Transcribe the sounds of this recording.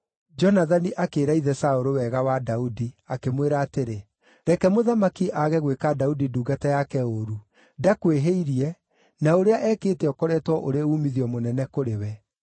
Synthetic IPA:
d͡ʒɔnaðaniʔakeːɾaiðɛsaoɾowɛɣawadaudiakemweɾaːteɾe | ɾɛkɛmoðamakiʔaɣɛɣwekadaudiduːɡatajakɛoɾu | dakweɦeiɾiɛ | naoɾeaʔɛːkeːtɛɔkɔɾɛtwɔʔoɾeauːmiðijɔmonɛnɛkoɾewɛ

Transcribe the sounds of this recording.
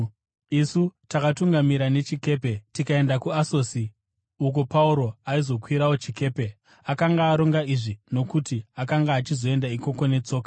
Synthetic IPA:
isutakatuŋɡamiɾane̞t͡ʃike̞ːpe̞tikae̞ndakuaso̞si | uk̬opauɾo̞aizo̞kwiɾawo̞t͡ʃike̞ːpe̞ | akaŋɡaːɾo̞ŋɡaiʐino̞kutiakaŋɡaːt͡ʃizo̞e̞ndaiko̞ko̞ne̞t͡so̞ːkḁ

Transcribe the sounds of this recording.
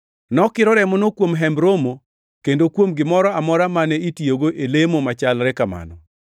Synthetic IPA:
nɔkɪɾɔɾɛmɔnokwomɦɛmbɾomo | kendokwomɡɪmɔɾɔamɔɾamanɛitjoɡoʔelemomat͡ʃalɾɛkama̰nɔ

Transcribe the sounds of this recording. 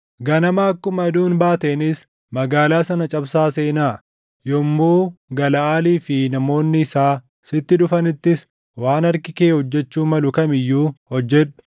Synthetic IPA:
ɡɐnɐmaːɐkːʊmɐd̪uːnbaːt̪eːnɪs | mɐɡaːlaːsɐnɐt͡ʃʼɐbsaːse̞ːnaː | jɔmːoːɡɐlɐaːliːfɪnɐmo̞ːnːɪːsaː | sɪt̪ːɪᶑʊfɐnɪt̪ːɪs | waːnɐɾkɪkeːhɔd͡ʒːɛt͡ʃːuːmɐlʊkɐmɪjːuːhɔd͡ʒːɛᶑʊ̥

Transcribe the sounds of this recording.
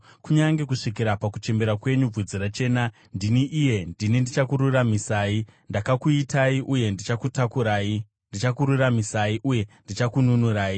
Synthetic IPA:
kuɲaŋɡe̞kuʂikiɾapakut͡ʃe̞mbe̞ɾakwe̞ɲub͡vud͡ziɾat͡ʃe̞ːna | ndiniʔije̞ndinindit͡ʃakuɾuramisaːindakakuitaiʔuje̞ndit͡ʃakutakuɾaːi | ndit͡ʃakuɾuramisaiʔuje̞ndit͡ʃakununuɾaːi

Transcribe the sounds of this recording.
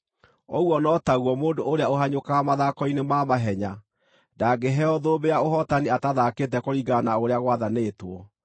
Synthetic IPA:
oɣwɔnɔtaɣwɔmoːndooɾejaoɦaɲokaamaðakɔinemamaɦɛɲa | daɡeɦɛɔðoːbejaoɦɔtaniataðaket̬ɛkoɾiɡanaoɾeaɣwaðaneːtwɔ

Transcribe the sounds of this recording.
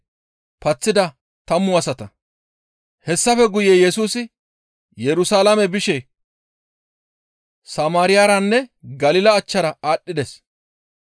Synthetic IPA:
pɐt͡sːɪd̪ɐ | t̪ɐmːʊɐsɐt̪ɐ | hɛsːɐfɛɡʊjejɛsuːsɪ | jɛɾʊsaːlamɛbɪʃɛ | sɐmaːɾɪjaːɾɐnːɛɡɐlɪlɐːt͡ʃːɐɾɐaːɗːɪd̪ɛs

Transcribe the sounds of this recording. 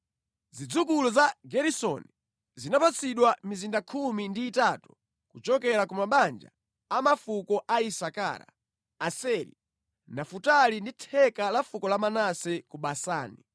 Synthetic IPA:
zid͡zukulɔzaɡɛɾisɔ̰ni | zinapat͡sʰiɗwamizindakʰumindiːtatu̥ | kut͡ʃɔkɛɾakumaɓand͡ʒa̰ | amafukɔʔaisaka̰ːɾa̰ | asɛlḭ | nafutalinditʰɛkalafukɔlamanasɛkuɓasa̰ːni

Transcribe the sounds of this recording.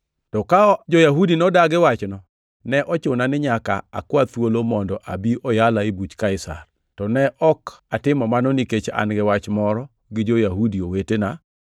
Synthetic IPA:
tɔkad͡ʒɔjaɦudinɔdaɡɪwat͡ʃnɔ | nɛʔɔt͡ʃʊnanɪɲaka̰a̰kwat̪wolomɔndɔʔabiʔɔjalaibut͡ʃkaɪsa̰r | tɔnɛʔɔkatɪmɔmanɔniket͡ʃa̰nɡɪwat͡ʃmɔɾɔ | ɡɪd͡ʒojaɦudiowetena

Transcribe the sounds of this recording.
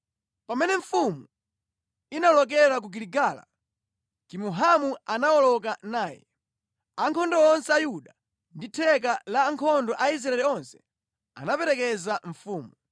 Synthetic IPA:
pamɛnɛɱ̩fumu | inalɔk̬ɛɾak̬uɡiɾiɡaːla̰ | kimuɦamuanawɔlɔk̬anaːjɛ̰ | aŋkʰɔndɔɔnsɛajuɗa | nditʰɛk̬alaːŋkʰɔndɔʔais̬ɾaɛliɔnsɛ̥ | a̰napɛɾɛkɛzaɱ̩fuːmu

